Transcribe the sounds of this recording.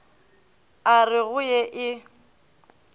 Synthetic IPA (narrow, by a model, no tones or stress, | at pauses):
arɪɣʊjɛʔɪ